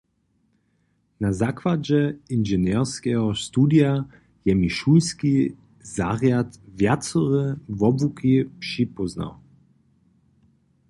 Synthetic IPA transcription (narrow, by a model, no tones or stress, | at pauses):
nazakvad͡ʑɛinʒɛnɛrskɛɦɔst̪ud̪ja | jɛmiʃulski | zaʁjat̪vjat̪t͡sɔʁɛvɔbukʰipʂipɔzna̰w